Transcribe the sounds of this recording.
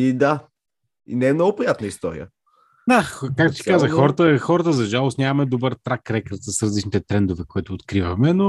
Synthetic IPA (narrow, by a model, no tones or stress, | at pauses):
id̪a | ḭnɛɛmnɔɡʊpɾijat̪nəist̪ɔɾḭə̰ | d̪akak̚t̪ʊ̥si̥kazəxɔɾət̪əxɔɾət̪əzɐʒalˠʊsnʲamɐmɛd̪obəɾt̪ɾakɾɛkəɾt̪səsɾɐzlit͡ʃnit̪ɛt̪ɾɛnd̪ʊvɛkoit̪ʊːt̪kɾivɐmɛno